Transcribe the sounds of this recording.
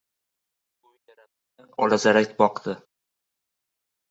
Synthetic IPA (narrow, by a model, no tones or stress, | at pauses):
ʊjjaɾat̪̚ | d̪anɒ̰lazaɾakʲbɒqd̪ɪ